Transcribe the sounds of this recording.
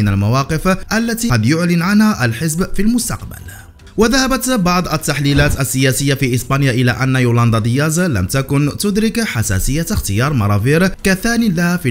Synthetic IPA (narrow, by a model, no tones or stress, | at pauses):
ɪnalmawɑːqɨfʔalːat̪iːɑd̪jʊʕlɪnʕanhaʔalħɪzbfilmʊst̪ɑ̰qba̰l | waðahabat̪bɑʕd̪ˤʔat̪ːaħliːlaːt̪asːɪjaːsɪjːafiʔɪsbaːnjaʔɪla̰ʔanːajʊːlɑnd̪ɑd̪ɪjaːzla̰mt̪akʊnt̪ʊd̪ɾɪkħasa̰ːsɪjːaxt̪ɪjɑːɾˤmɑɾˤɑviːɾkaθaːnilahafi